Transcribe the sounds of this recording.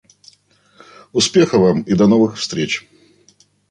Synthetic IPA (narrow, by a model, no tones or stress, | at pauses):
ʊspʲe̞xəvamid̪ɐnovɨxfst̪ɾʲet͡ɕ